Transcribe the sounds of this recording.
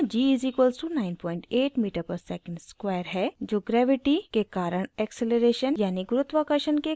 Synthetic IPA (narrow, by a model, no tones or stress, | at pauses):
d͡ʒiːzikʋəlsunaːɪnpʰɔːɪ̃ɳʈeːʈmiːʈəɾpɐɾsɛːkə̃ɳɖskwɛːɾɦɛd͡ʒoːɡɾɛːʋɪʈikekaːɾəɽ̃ɛkseləɾeːʃənjaːniɡʊɾʊt̪ʋakəʃənke